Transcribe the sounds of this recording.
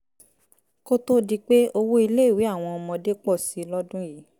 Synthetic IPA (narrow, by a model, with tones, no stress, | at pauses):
ko˦to˦di˦k͡pe˦o˧wo˦i˧le˦i˦˨wi˨˦a˦˨w̃ɔ̃˧ɔ˧mɔ̃˧de˦k͡pɔ˦˨si˨˦lɔ˦dũ˦ji˨˦